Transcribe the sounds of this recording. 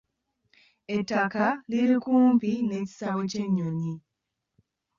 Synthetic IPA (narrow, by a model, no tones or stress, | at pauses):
etːakaliɾikuːmpineci̥saweceɲːoɲi